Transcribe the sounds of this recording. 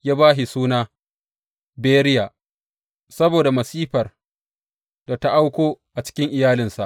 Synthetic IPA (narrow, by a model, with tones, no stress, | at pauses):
jaː˦baː˦ɦi˨suː˦naː˦ | beː˦ɾɪ˦jaː˨ | sɐ˦boː˨da˨mɐ˨siː˦ɸɐ˨r | d̥a˨ta˦ʔa˦wkʷoː˦ʔa˨t͡ʃɪ̥˦kʲɪ˦ŋʔɪ˨jaː˦lɪ˨nsa˨ʔ